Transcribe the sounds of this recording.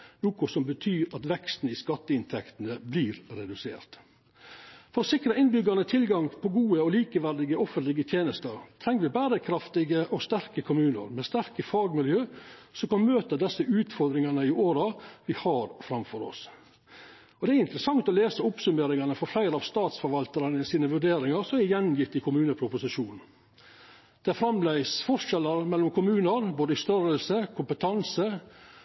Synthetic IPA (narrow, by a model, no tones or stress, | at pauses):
nuːkʊsɔmbət̪ʰyːɾɑt̪ʋɛkst̪n̩ɪskɑt̪ːəɪnt̪ʰɛkt̪ənəblɪːɾɾɛd̪ʉsḛːɾt̪ | fɔɾɔsɪkɾəɪnbʏɡɑnət̪ʰɪlɡɑŋpʰɔɡuːəɔliːkəʋæɾd̪ɪɡəɔfənt̪lɪɡət̪ʰjeːnəst̪əɾt̪ʰɾɛŋːəʋɪbæːɾəkʰɾɑft̪ɪɡəʔɔst̪æɾkəkʰʊmʉːnə̰ɾmɛst̪æɾkəfɑːɡmɪljøːsɔmkɑnmøːt̪əd̪ɛsːəʔʉːt̪fɔɾd̪ɾɪŋɑnəɪoːɾɑʋɪhɑːɾfɾɑmfɔɾɔ̰s | ɔd̪ɛæɾɪnt̪ɾəsɑŋt̪ɔleːsəʊpsʉmeːɾɪŋɑnəfɔɾflæɪɾəɑʋst̪ɑːt̪sfɔɾʋɑlt̪əɾɑnəɪsiːnəʋʉɖeːɾɪŋɑɾsɔmæɪjɛnːjɪt̪ːɪkʰʊmʉːnəpʰɾʊpʊsɪʂuːn̩ | d̪̥ɛæfɾɑmlæɪsfɔʂɛlːəɾmɛlːɔmkʰʊmʉːnəɾboːd̪əɪst̪œɾəlsəkʰʊmpət̪ʰɑnsə